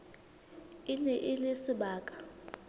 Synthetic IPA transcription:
inɛʔɪlɪsɪɓaːkʼḁ

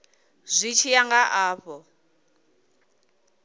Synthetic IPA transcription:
z̥ʷit͡ʃʰijaŋɡaʔaːɸɔ

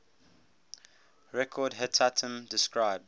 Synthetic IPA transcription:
ɹɛkʰɔdɦɛtʰatʰə̃mdɪskɹaɪb̚d

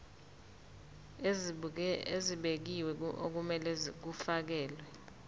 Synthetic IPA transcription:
eziɓek̬iwɛo̰k̬umɛlɛk̬ufak̬ɛːlwɛ

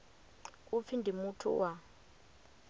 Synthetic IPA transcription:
up̪fʰindʱimutʰṵwa

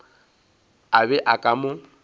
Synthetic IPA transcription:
abɛʔakʼamʊ

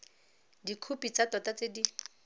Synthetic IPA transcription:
dikʰupʼit͡satɔtat͡sedi

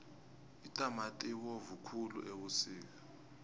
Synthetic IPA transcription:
itʼamatʼiwovukʰulṵʔeɓusiːk̬ḁ

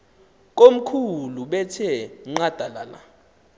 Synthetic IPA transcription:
k̬ʼom̩kʰuluɓɛtʰiɛŋ͡ǃad̥ʱala̰la̰

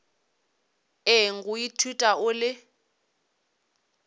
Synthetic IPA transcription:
eŋ̩kʊjitʰutʼaʊlɪ

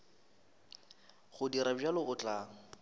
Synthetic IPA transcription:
χʊdiɾabd͡ʒalɪɣʊt͡ɬʼaːŋ̩

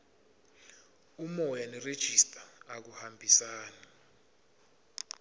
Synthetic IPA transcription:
umɔjanired̥ʒ̥ʱistʼaːk̬uhambʱisaːni

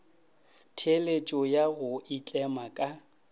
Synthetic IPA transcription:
tʰelet͡ʃʼɔjaɣʊʔit͡ɬʼɛmakʼa

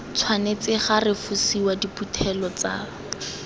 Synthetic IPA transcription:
t͡sʰwanet͡sɪχarɪfusiwadiputʰɛlɔt͡sa̰ː

